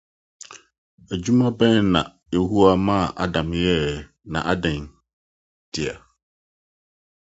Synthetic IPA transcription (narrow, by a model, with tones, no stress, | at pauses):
æ˨d͡ʑu˦mã˦bɛ̃˦nnã̰˨ | je˨hu˦a˨mã˦˨ʔa˦dã˨mjɛ˦ | nã̰˨ʔa˦dɛ̃˨n | d̥ɪ˨a˨